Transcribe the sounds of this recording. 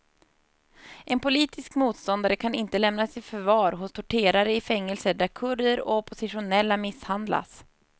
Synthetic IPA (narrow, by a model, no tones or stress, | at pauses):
ʔɛnpʊliːt̪ʰɪskmuːt̪st̪ɔnd̪aɾəkʰanɪnt̪əlɛmnasɪfœɾvɑːɾɦʊst̪ʰʊʈʰeːɾaɾəɪfɛŋːəlsəɖæɾkʰɵɾəɾɔpʰʊsɪɧʊnɛlːamɪshand̪la̰s